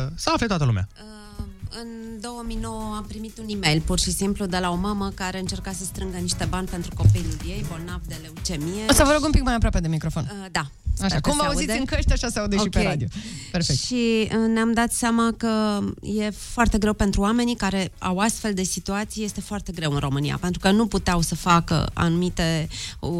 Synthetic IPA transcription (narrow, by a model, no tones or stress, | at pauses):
səaflet̪oat̪əlumḛa̰ə | ɨnd̪o̞wəmijno̞wəampɾimit̪unime̞jlpurʃisimplud̪e̞lao̞maməkaɾe̞ɨnt͡ʃe̞rkasəst̪ɾɨŋɡəniʃt̪e̞banʲpent̪ɾuko̞pijlulijejbo̞lnavd̪e̞le̞ut͡ʃe̞mijeosəvəɾo̞ɡumpikmajapɾoape̞d̪emikɾo̞fo̞n | d̪a | aʃakumvəauzuiɨnkəʃt̪ʲaʃasəaud̪eoʃikʲeeɾad̪iopeɾfekʃiəneamd̪at̪seamakəje̞foart̪e̞ɡɾe̞wpe̞nt̪ɾuwame̞nikaɾe̞a̰wast̪fe̞ld̪e̞sit̪uat̪sijje̞st̪e̞foart̪e̞ɡɾe̞wɨnrʔo̞mɨnija̰pe̞nt̪ɾukənuput̪eawsəfakə̰a̰numit̪e̞